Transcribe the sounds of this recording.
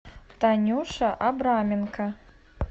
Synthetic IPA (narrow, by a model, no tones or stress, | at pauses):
t̪anʲuʂɐʔabɾamʲinkɐ